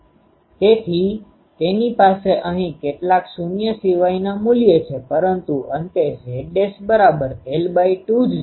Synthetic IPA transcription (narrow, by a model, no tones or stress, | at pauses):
t̪et̪ʰi | t̪enipaseʔəɦĩkeʈlaksunjəsiʋainamuljet͡ʃʰepəɾənt̪uənt̪eɦeɖesbəɾabəɾelbaiʈud͡ʒ